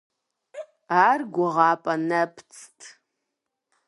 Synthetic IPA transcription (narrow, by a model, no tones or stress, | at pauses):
arɡʷaʁaːpʼanapʰt͡sʰtʼ